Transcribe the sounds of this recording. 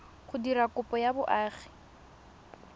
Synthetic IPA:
χʊdirakʊpʼɔjabʊʔaːχi̥

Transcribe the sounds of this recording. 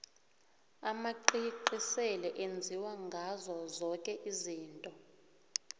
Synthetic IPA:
amaǃiǃisɛlɛʔend͡zʱiwaŋɡʱazɔzɔkʼɛʔiziːntʼɔ

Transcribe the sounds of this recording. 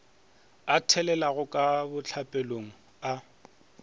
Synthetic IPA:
atʰɛlɛlaɣʊkʼabʊt͡ɬʰapʼɛloŋ̩ | a

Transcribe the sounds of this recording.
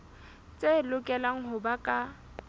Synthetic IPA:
t͡sʼelʊkʼɛlaŋ̩ɦʊbakʼa

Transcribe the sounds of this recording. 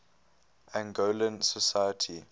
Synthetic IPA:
ʔæ̃nɡolə̃nsəsajətʰi

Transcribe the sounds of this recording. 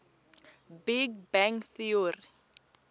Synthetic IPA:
biɡbɛŋkθiori

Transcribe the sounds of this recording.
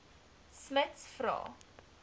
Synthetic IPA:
smətsfrɑ̰ː

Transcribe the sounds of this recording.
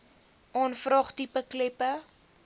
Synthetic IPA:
ʔɔnfrɑːχtipəklɛpə

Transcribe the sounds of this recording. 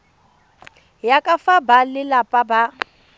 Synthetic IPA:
jakʼafabalɪlapʼaba

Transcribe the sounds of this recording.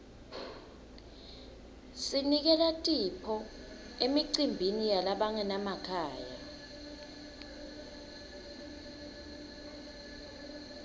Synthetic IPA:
sinik̬ɛlatʼipʰɔ | emiǀimbʱinijalaɓaŋɛnamakʰaːja̰

